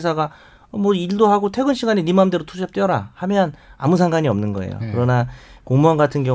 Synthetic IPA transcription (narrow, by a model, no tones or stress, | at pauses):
s̬ʰaɡa | mwʌiɭdoɦaɡotʰe̞ɡɯnɕʰiɡaɲinimamdeɾotʰuɕʰap̚t͈ɥiʌɾahamjʌna̰musʰaŋɡaɲiʌmnɯnɡʌ̰ḛjo̰kɯɾʌnakoŋmuʌnɡatʰɯnɡjʌ